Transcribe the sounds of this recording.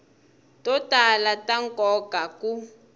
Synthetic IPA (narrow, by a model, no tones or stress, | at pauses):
tɔtalataŋkʼɔkaku